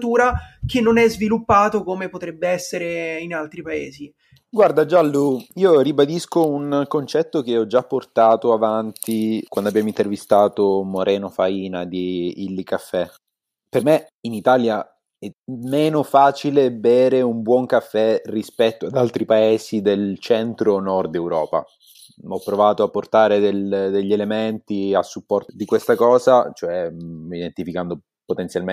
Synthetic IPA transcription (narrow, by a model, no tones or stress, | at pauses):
t̪uːɾak̟enːonɛzvilupːaːt̪okomepot̪ɾɛbːeɛsːeɾeinalt̪ɾipaḛːzi | ɡward̪ad͡ʒalːuiːoribad̪iskounkont͡ʃɛt̪ːokeɔd͡ʒapːort̪aːt̪oavant̪ikwandoabjaːmoint̪ervist̪aːt̪omoɾʔɛːnofaiːnad̪iilːikafːɛ | perme | init̪alja | ɛmeːnofaːt͡ʃilebɛːɾeumbwɔŋkafːɛrispɛt̪ːoad̪alt̪ɾipaeːsid̪elt͡ʃɛnt̪ɾonɔrd̪ɛwɾɔːpa̰ | ɔpːɾovaːt̪oapːort̪aːɾed̪eld̪eʎːelement̪iasːupːɔrt̪od̪ikwest̪akɔːzat͡ʃoɛid̪ent̪ifikand̪o | pot̪ent̪sjalme